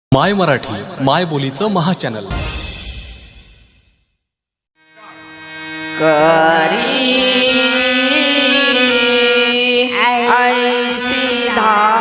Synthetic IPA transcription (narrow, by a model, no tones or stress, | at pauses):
majməɾaʈʰiːmajbolit͡səməɦat͡ɕænəl | kəɾi | əjsi | d̪ʱa